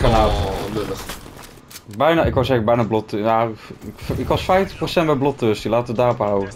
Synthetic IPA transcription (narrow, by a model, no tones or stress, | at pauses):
kananøtəχ | bɛjnaːɪkɔwsɛxəbɛjnaːblɔtjafɪkʋɑsfɛjftəχprosɛnt̚bɛjblɔtøsdilaːtəʋədaːrɔpɦawə